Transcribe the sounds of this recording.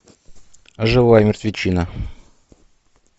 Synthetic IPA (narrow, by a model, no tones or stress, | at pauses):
ʐɨvajəmʲɪrt̪vʲɪt͡ɕinə